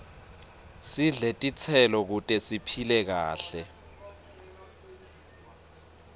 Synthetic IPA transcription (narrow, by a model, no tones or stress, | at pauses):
siɮetʼit͡sʰɛlɔk̬utʼɛsipʰilɛk̬aːɬɛ